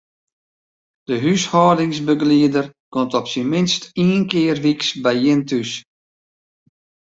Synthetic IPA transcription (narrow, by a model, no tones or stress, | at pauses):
d̥əɦyshɔːdɪŋsbəɡliədərkɔntɔpsinmɪnstiːnkɪːərʋiksbɛjɪntys